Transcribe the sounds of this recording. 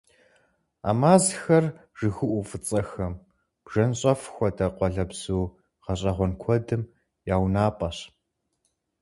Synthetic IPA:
a̰ːmaːzxɐr | ʒ̥ɨɣɨʔʷʊfɨt͡sʼɐxɐm | b̥ʒ̥ɐnɕʼɐfxʷɔdʰɐqʷɔɮɐbz̥uː | ʁɐɕʼɐʁʷɔnkʷʰɔdɨm | jaːwnaːpʼɐɕ

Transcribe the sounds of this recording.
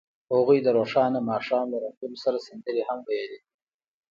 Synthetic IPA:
haɣujd̪əɾoʂɑːnamɑːʂɑːmlaɾat̪unsaɾasɪnd̪əɾehamwajali

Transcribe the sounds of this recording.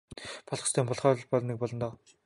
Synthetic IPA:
pʰɔɮʁɞ̆st̪ʰeːmpʰɔɮχɔːɮpɔɮnek̚pɔɮɞ̆nt̪ɔː

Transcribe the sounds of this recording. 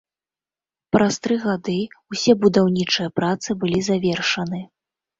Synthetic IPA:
pɾʔast̪ɾɨɣad̪ɨusʲɛbud̪awnʲit͡ʂɨjɐpɾat̪sɨbɨlʲizavʲɛrʂɐnɨ

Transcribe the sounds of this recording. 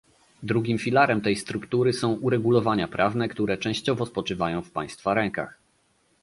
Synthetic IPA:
d̪ɾuɡʲimfʲilaɾɛmt̪ɛjst̪ɾukt̪uɾɘsɔ̃w̃ʔuɾɛɡulɔvaɲapɾʔavnɛkt̪uɾɛt͡ʂɛ̃w̃ɕt͡ɕɔvɔspɔt͡ʂɘvajɔ̃w̃fpaj̃st̪faɾɛŋka̰x

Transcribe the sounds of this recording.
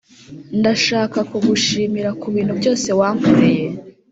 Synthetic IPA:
ndaʃaːkakuɡuʃiːmiɾakuβiːnhubɟo̞ːse̞waːŋkoɾeje̞

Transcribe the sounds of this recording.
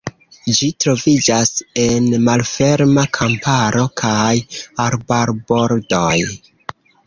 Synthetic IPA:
d͡ʒitɾo̞vid͡ʒase̞nmalfe̞ɾmakʰampaɾo̞kʰajaɾbaɾbo̞ɾdoj

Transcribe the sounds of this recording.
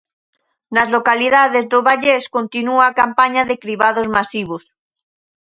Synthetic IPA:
nazlokaliðaðezðoβaʎeskont̪inuaːkampaɲaðekɾiβaðozmasiβ̞os

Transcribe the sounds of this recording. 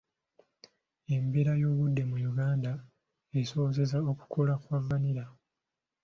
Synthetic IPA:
e̞mbeɾajo̞ːβudːe̞mujuɡaːnda | eso̞ze̞zao̞ku̥kʰo̞lakwavːaniɾa

